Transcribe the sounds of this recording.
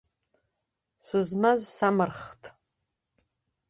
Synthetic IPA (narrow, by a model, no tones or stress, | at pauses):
sɨzmazsamɨrχtʼ